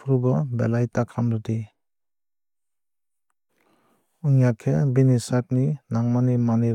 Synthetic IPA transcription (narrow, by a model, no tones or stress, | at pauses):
pʰɾubɔbḛlajtakʰamɾɔdi | uŋjakʰebinisap̚ninaŋmanimani